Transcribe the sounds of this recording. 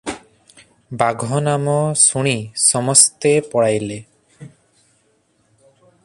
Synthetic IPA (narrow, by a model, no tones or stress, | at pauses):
baɡʱɔnamɔsuɽ̃isɔmɔst̪epɔɽajle